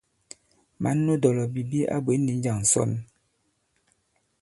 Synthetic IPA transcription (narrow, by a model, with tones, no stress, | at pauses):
ma˨˦nː˦o˦dɔ˨lɔ˨bi˨bi˦ʔa̰˦bwe˨˦nːi˨˦n̩˦d͡ʒa˨ŋn̩˨sɔ̰˦˨n